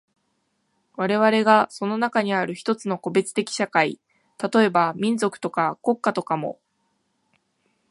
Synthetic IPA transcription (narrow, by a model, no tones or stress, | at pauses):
βaɾe̞βaɾe̞ɡaso̞no̞nakaɲ̟iaɾɯ̟çi̥t̪o̞t͡sɨno̞ko̞be̞t͡sɨ̥t̪e̞kʲi̥ɕakai | t̪at̪o̞e̞bamʲĩnd͡zo̞kɯ̟̥t̪o̞kako̞kːat̪o̞kamo̞̰